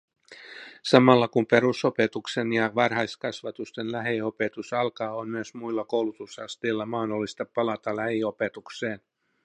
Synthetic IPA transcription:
sɑmɑlːɑkumpe̞ɾuso̞pe̞t̪ukse̞njɑʋɑrɦɑjskɑsʋɑt̪ust̪enlæɦio̞pe̞t̪usɑlkɑːommyøsmuilːɑko̞wlut̪usɑst̪eːlːɑmɑːdolːist̪ɑpɑlɑt̪ɑlæhio̞pe̞t̪ukse̞ːn

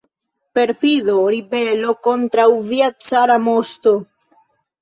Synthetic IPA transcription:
peɾfiðoɾibelokont̪ɾawviat͡saɾamost̪o

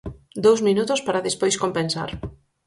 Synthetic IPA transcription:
d̪owzminut̪ʊspaɾaðespojskompensa̰ɾ

